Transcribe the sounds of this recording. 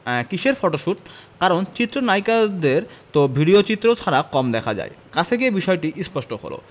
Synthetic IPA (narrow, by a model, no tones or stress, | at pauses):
kiʃeɾfoʈoʃuʈkaɾont͡ɕit̪ːɾonajkad̪eɾt̪obʱiɖiot͡ɕit̪ːɾot͡ɕʰaɾakɔmd̪ɛkʰad͡ʑa̰ekat͡ɕʰt̪ʰek̬ebiʃɔeʈiʔispɔʃʈoko̰lo̰